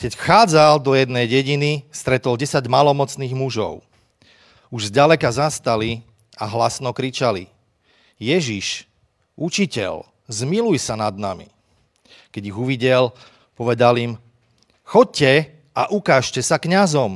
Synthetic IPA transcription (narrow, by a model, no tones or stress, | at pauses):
kɛcxaːd͡zald̪ɔjɛd̪nɛjɟɛɟinist̪ɾɛt̪ɔlɟɛsaɟmalɔmɔt͡sniːɣmuʒɔ̰ʊ | uʒzɟalɛkazast̪ali | aɦlasnɔkɾit͡ʃalḭ | jɛʒiʃ | ʔut͡ʃicɛ̰ʎ | zmilujsanad̪na̰mḭ | kɛɟiɣuʋiɟɛl | pɔʋɛd̪alim | xɔc̚cɛ | aʔukaːʃcɛsakɲazɔm